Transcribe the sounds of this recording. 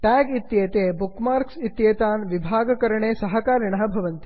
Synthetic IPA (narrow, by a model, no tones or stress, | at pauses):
ʈɛːɡit̪jeːt̪eːbukmaːɾksit̪jeːt̪aːnʋibʱaːɡɐkɐɾɐɳeːsɐɦɐkaːɾɐɳɐɦɐbʱɐʋɐnt̪i̥